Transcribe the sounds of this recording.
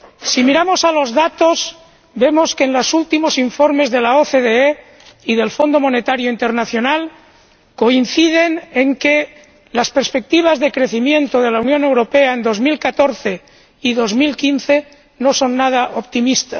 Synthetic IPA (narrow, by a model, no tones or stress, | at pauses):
simiɾamo̞salo̞zðat̪o̞z | be̞mo̞ske̞ːnlosult̪imo̞siɱfo̞ɾme̞zðe̞laoθeðee | iðe̞lfo̞nd̪omo̞ne̞t̪aɾjoint̪e̞ɾnaθjo̞nal | ko̞in̟θið̞e̞neŋke | laspeɾspe̞k̚t̪iβ̞azðekɾe̞θimjẽ̞nt̪oð̞e̞launjõ̞ne̞wɾo̞pe̞aend̪o̞zmilkat̪o̞ɾθe̞ | iðo̞zmilkinθe̞ | no̞so̞nːað̞aʔopt̪imist̪a